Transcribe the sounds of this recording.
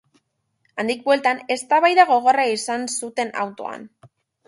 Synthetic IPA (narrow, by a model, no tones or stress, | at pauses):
and̪ik̚bwelt̪ane̞st̪aβajðaɣo̞ɣo̞raisansut̪e̞na̰wt̪o̞a̰n